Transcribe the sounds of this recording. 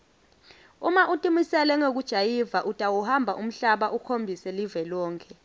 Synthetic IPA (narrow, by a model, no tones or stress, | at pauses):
umaʔutʼimisɛlɛŋok̬ud̥ʒ̥ʱajivaʔutʼawuhambʱaʔum̩ɬaɓaʔukʰombʱisɛlivɛlɔːŋkʰʼɛ